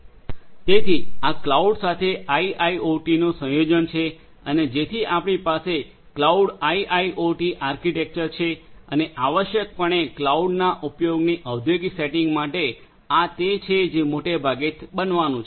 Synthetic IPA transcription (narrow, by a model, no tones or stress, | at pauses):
t̪et̪ʰiaklauɖsat̪ʰeaiʔaioʈinũsə̃jod͡ʒənt͡ʃʰe | əned͡ʒet̪ʰiʔapɽ̃ɳ̃ipase | klauɖaiʔaiʔoʈiʔaɾkiʈek̚t͡ʃəɾt͡ʃʰeəneʔaʋəʃjək̚pəɳ̃eklauɖnaʔupjoɡniʔəʋd̪ʱjoɡiseʈiŋɡmaʈe | at̪et͡ʃʰed͡ʒemoʈebʱaɡet̪bənʋanũt͡ʃʰe